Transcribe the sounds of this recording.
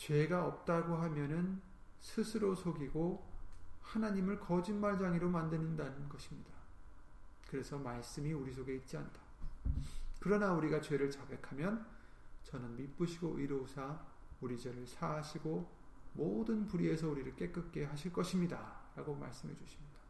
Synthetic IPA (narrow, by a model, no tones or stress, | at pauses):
t͡ɕwe̞ɡaʌp̚t͈aɡoɦamjʌnɯn | sʰɯsʰɯɾosʰoɡiɡo | hanaɲimɯɭkʌd͡ʑinmaɭd͡ʑaŋiɾomandɯnindanɯnɡʌɕʰimɲida | kɯɾe̞sʰʌmaɭs͈ɯmiuɾis̬ʰoɡe̞it̚t͡ɕ͈ia̰ndʰḁ | kɯɾʌnauɾiɡat͡ɕwe̞ɾɯɭt͡ɕabe̞kʰamjʌn | t͡ɕʌnɯnmip͈ɯɕʰiɡoʔiɾosʰa | uɾid͡ʑeɾɯɭsʰaːɕʰiɡo | modɯnpuɾie̞sʰʌuɾiɾɯɭk͈e̞k͈ɯk̚k͈e̞ɦaɕʰiɭk͈ʌɕʰimɲidaɾaɡoma̰ɭs͈ɯmɦe̞d͡ʑuɕʰimɲid̥ḁ